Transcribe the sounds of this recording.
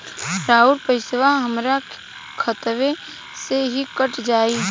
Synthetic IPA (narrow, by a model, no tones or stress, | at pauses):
ɾaːuɾpəɪsʋaɦəmɾa | kʰət̪ʋe | seɦikəʈd͡ʒaːiː